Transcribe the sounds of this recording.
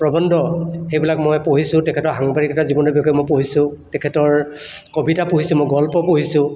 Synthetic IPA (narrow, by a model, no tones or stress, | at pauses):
pɹɔbɔndʱɔxejbilakmɔjpoɦisʊ̃tɛkʰɛtɔɹɦaŋbaɹikɛtazibɔnɔbjɔkɔɛmɔjpoɦisʊ̃tɛkʰɛtɔɹkobitapoɦisʊ̃mɔjɡɔlpɔpoɦisʊ̃